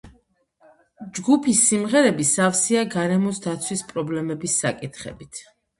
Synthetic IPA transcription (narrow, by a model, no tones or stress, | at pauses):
d͡ʒɡupʰisːimʁɛɾɛbisafsiaɡaɾɛmɔsd̪at̪sʰwispʼɾɔblɛmɛbisːakʼit̪ʰχɛ̰bit̪ʰ